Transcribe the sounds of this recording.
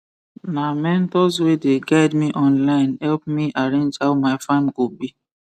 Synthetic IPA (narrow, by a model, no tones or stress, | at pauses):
namɛ̃ntɔswedeɡaɪdmiʔɔ̃nlaɪ̃nhɛlp̚miʔaɾẽnd͡ʒhaʊmaɪfãnɡobi